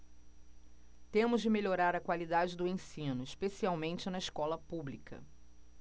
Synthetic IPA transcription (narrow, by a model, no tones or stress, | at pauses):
t̪ẽmʊzd͡ʒɪmeʎoɾaɾɐkwalid̪ad͡ʒɪd̪ʊẽsĩnʊiʃpesiawmẽnt͡ʃɪnɐiʃkɔlɐpublikɐ̰